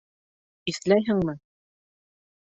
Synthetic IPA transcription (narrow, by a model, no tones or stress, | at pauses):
islæjɦɘ̆ŋmɘ